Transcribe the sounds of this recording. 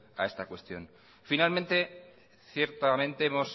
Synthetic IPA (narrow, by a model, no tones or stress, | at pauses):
a̰e̞st̪akwe̞st̪jo̞̰n | finalmẽnt̪e̞ | θje̞ɾt̪amẽ̞nt̪e̞emo̞s